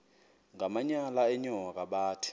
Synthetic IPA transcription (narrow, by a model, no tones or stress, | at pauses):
ŋamaɲalaɛɲɔŋak̬aɓaːtʰi̥